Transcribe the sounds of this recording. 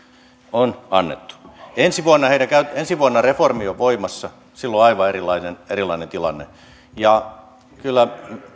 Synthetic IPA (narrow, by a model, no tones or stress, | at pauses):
onɑnːḛt̪ːu̥ensiʋuonːɑheidækæyt̪ensiʋuɑnːɑreformioʋoimɑsːɑ | silːoɑiʋɑerilɑinenerilˑɑinent̪ilɑ̰nːḛ | jɑ | kylːæ